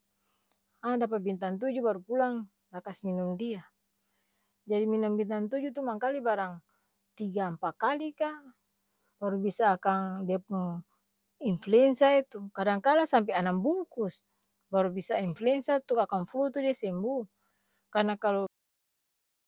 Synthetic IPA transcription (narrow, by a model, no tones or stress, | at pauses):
adapabint̪ant̪̬ud͡ʒubaɾupulaŋ | lakasminumdia | d͡ʒadiminumbint̪ant̪ud͡ʒut̪̬umaŋkalibaɾaŋ | t̪iɡampakalika | baɾubisaːkaŋdiapuŋ | influɛnsiait̪ukadaŋkalasamp̬ɛanambukus | baɾubisainfluɛnsiat̪uakaŋflut̪udiasɛmbu | karnakalɔ